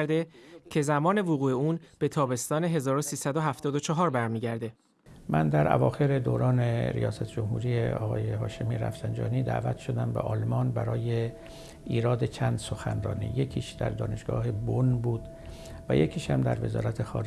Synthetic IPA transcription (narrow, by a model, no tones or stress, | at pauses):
ɾd̪e̞cʰe̞zæmɒːne̞voɣuːeuːnb̥e̞t̪ʰɒːbe̞st̪ɒːne̞ɦe̞zɒːɾosiːsæd̪oɦæft̪ɒːd̪ot͡ʃʰɒɦɒːɾbæɾmiːɟæɾd̪e̞ | mænd̪æɾʔæ̰vɒːxe̞ɾe̞d̪oːɾɒːneɾḭjɒːsæt̪ʰd͡ʒomhṵːɾiːjeɒ̰ːɣɒːjehɒːʃemiɾæ̰fsænd͡ʒɒ̰ːniːd̪æ̰ːvæt̪ʰʃo̞d̪æmbe̞̰ʔɒːlmɒːnbæɾɒːje | iːɾɒːd̪e̞t͡ʃʰænd̪̥soxænɾɒ̰ːnḭːjecʰiːʃd̪æ̰ɾd̪ɒːne̞ʃɡ̥ɒːhebonbuːd̪̥ | væ̰jecʰiːʃhæmd̪æɾve̞zɒ̰ːɾæt̪ʰexɒ̰ːɾ